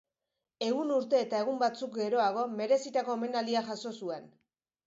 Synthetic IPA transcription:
e̞ɣunuɾt̪e̞ːt̪ae̞ɣ̞umbat͡suk̚ɡe̞ɾo̞aɣ̞o̞me̞ɾe̞sit̪ako̞ːme̞nald̪iaʝaso̞sue̞n

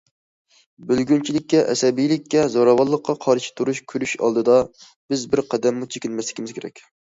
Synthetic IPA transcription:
bylɡʲynt͡ʃʰilɪkʲːɛʔɛsɛbijlɪkʲːɛzɑɾɑwɑlˠːəqʰːɑqʰɑɾʃi̥t̪ʰuɾuʃkʲʰyɾyʃɑ̰lˠd̪ɨd̪ɑ | b̥ɪzbɪɾqʰæd̪ɛmːut͡ʃʰekʲɪnmɛslɪkʲimɪzkʲʰeɾɛ̰kʲ

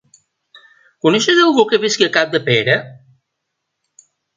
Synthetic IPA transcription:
kunɛʃəzəlˠɣukəβiskiəkap̚d̪əpeɾə

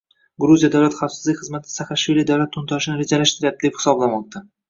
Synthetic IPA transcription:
ɡɾuzijad̪awlat̪χafsɪzlɪkʲχɨzmat̪ʰɪ̥saχaʃvilid̪awlat̪ʰːʊnt̪ʰɒʃɪnɪɾed͡ʒalaʃt̪ɪɾɪjap̚d̪ɪd̪e̞phɪ̥sɒblamɒq̚t̪ʰa

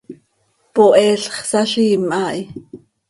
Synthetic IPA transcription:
poʔɛːɬχsaɬiːmʔaʔj

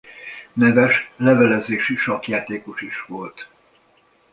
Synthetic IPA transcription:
nɛvɛʃlɛvɛlɛzeːʃiʃɒkjaːt̪eːkoʃiʃʋolt̪

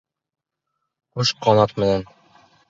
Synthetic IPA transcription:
oʃqɑnɑt̪mɘ̆næn

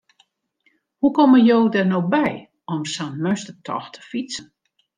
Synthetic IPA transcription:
hukɔməjowdɛrnoːbɛj | ɔmsanmøstətʰɔ̰xtʰə̥fisən

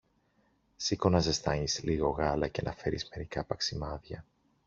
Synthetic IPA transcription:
siko̞nɐze̞st̪ɐɲisliɣo̞ɣɐlɐcenʔɐfe̞ɾizme̞ɾikɐpɐksimɐðʝɐ

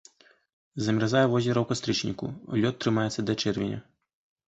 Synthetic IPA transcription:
zɐmʲɾazajɛvɔzʲɛɾɐwkast̪ɾɨt͡ʂnʲḭkṵlʲɔt̪ːɾɨmajɛt̪sɐd̪ɐt͡ʂɛrvʲɛnʲɐ̰

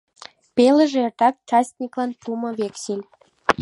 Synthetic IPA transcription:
pelə̆ʒeert̪ɑk̚t͡ʃɑst̪nʲiklɑnpʰumə̆βeksilʲ

